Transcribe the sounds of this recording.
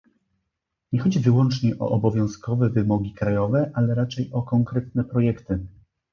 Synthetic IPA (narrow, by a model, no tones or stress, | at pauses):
ɲɛxɔd͡ʑivɘwɔnt͡ʂɲɛʔɔ̰ʔɔbɔvʲjɔ̃w̃skɔvɛvɘmɔɡʲikɾajɔvɛʔalɛɾat͡ʂɛjɔkɔŋkɾɛt̪̚nɛpɾɔjɛkt̪ɘ